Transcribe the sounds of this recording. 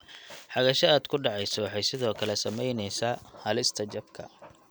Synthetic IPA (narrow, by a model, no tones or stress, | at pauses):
ħɑɣɐʃɐaːd̪kʰʊɖɑʕɑjsɔwɑħɑjsɪðɔːkʰɐlɛsɐmɛjnɛjsaːhɐlɪst̪ʰɐt͡ʃɐbkʰɐ̰